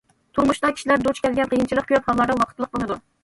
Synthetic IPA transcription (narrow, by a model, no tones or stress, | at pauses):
t̪ʰuɾmuʃt̪ɑkʲi̥ʃilæɾd̪ot͡ʃkʲʰɛlɡʲɛnqʰijɨnt͡ʃʰilˠəq̚kʲʰøphɑllːˠɑɾd̪ɑwɑqʰət̪lˠəq̚bolˠɨd̪u